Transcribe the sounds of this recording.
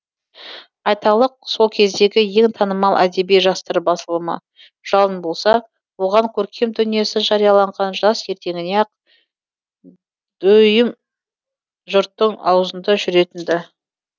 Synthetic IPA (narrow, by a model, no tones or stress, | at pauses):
ɑjt̪ɑlˠəq̚so̞lˠkʲʰe̞zd̪e̞ɡʲɪje̞ŋt̪ʰɑnəmɑlˠʔæd̪e̞bejʒɑst̪əɾbɑsəlˠəmɑ̰ | ʒ̥ɑlˠənbo̞lˠsɑ | wo̞ʁɑŋkʲʰɵɾkʲʰe̞md̪ʏnije̞sɪʒɑɾijɑlˠɑɴʁɑnʒɑst̪je̞ɾt̪e̞ŋɪneɑq̚ | d̪̥ɵjɪm | ʒʊɾt̪ːəɴɑ̰wzənd̪əʒʏɾe̞t̪ɪnd̪ɪ